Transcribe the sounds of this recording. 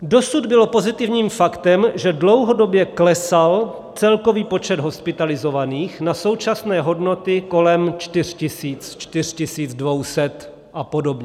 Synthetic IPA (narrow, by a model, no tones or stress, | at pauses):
do̞sud̪bɪlo̞po̞zɪt̪ɪvɲiːmfakt̪ɛmʒɛdlo̞wɦo̞do̞bjɛklɛsal | t͡sɛlko̞viːpo̞t͡ʃɛd̪ɦo̞spɪt̪alɪzo̞vaniːxnaso̞wt͡ʃasnɛːɦo̞dno̞t̪ɪko̞lɛmt͡ʃt̪ɪr̝̥cɪsiːt͡st͡ʃt̪ɪr̝̥cɪsiːd͡zdvo̞wsɛt̪ | ʔapo̞do̞bɲɛ